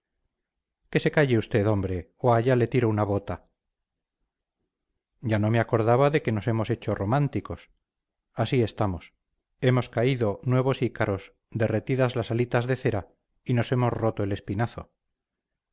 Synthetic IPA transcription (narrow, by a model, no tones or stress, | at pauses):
ke̞se̞kaʝeust̪e̞ðo̞mbɾe̞oaʝale̞t̪iɾounaβ̞o̞t̪a | ɟ͡ʝano̞meako̞ɾðaβaðe̞ke̞no̞se̞mo̞se̞t͡ʃo̞ro̞mãnt̪iko̞s | asie̞st̪amo̞s | e̞mo̞skaiðo̞nwe̞β̞o̞sikaɾo̞z | d̪e̞re̞t̪iðazlasalit̪azðe̞θe̞ɾa | ino̞se̞mo̞zro̞t̪o̞e̞le̞spinaθo̞̰